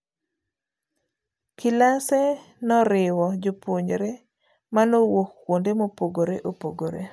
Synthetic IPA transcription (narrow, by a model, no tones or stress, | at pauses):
kʰɪlase | nɔɾɪwɔd͡ʒopwoɲɾe | manowokːwondemopoɡoɾeʔopoɡoɾḛ